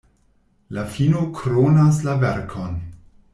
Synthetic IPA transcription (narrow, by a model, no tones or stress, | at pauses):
lafinokʰɾonaslavɛɾkʰon